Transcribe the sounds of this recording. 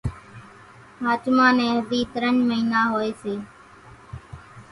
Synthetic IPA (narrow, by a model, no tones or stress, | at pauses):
ɦaːt͡ʃmaːnɛ̃ːɦəd̪iːt̪əɾəɳməɦiːnaːɦoːeːseː